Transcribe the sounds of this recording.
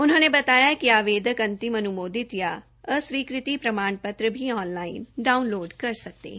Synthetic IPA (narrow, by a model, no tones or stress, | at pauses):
ʊnɦõːnebɐt̪aːjakiaːʋeːd̪ʱəkɐ̃nt̪ɪmɐnʊmoːd̪ɪt̪ja | əsʋiːkɾɪt̪ipɾɐmaːɳpɐt̪ɾəbʱiɔːnlaːɪnɖaːʊnloːɖkɐɾsɐk̚t̪ḛː